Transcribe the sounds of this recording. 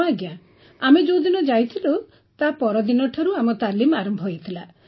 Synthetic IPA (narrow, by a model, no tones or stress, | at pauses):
aɡja | amed͡ʒowd̪inɔd͡ʒajt̪ʰilo | t̪apɔɾɔd̪inɔʈʰaɾuamɔt̪alimaɾɔmbʱɔɦojt̪ʰila